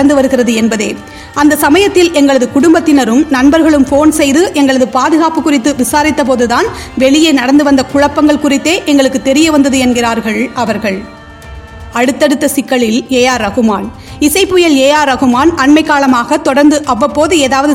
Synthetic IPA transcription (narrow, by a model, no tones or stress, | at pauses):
ɐnd̪ɯʋɐɾɯɣɪrɐðɯɛnbɐðeː | ɐnd̪ɐsɐmɐjɐt̪ːɪlʔɛŋɡɐɭɐðɯkʊɽʊmbɐt̪ːɪnɐɾɯmnɐnbɐɾɣɐɭɯmfoːnsɛjðɯʔɛŋɡɐɭɐðɯpaːðɯɣaːpɯkːʊrɪt̪ːɯʋɪsaːɾɪt̪ːɐp̬oːðɯðaːnʋɛɭɪjenɐɽɐnd̪ɯʋɐnd̪ɐkʊɻɐpːɐŋɡɐɭkʊrɪt̪ːeːʔɛŋɡɐɭɯkːɯt̪ːɛɾɪjɐʋɐnd̪ɐðɯɛnɡɪraːɾɣɐɭɐʋɐɾɣɐɭ | ɐɽɯt̪ːɐɽɯt̪ːɐsɪkːɐɭɪleːjaːɾɐɣɯmaːn | ɪsɐɪpːʊjɐɭeːjaːɾɐɣɯmaːnʔɐɳmɐɪkːaːlɐmaːɣɐt̪ɔɽɐɾnd̪ɯʔɐʋːɐpːoːðɯeːðaːʋɐðɯ